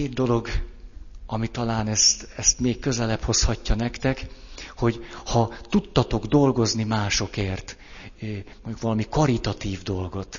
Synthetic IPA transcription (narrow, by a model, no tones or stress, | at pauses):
keːd̪̚d̪o̞lo̞ɡ | ɒmit̪ɒlaːnɛst̪ɛst̪meːkːø̞zɛlɛpho̞shɒcːɒnɛkt̪ɛkho̞ɟhɒt̪ut̪ːɒt̪o̞ɡd̪o̞lɡo̞znimaːʃo̞keːrt̪ː | moɲɟukʋɒlɒmikɒɾit̪ɒt̪iːvd̪o̞lɡo̞t̪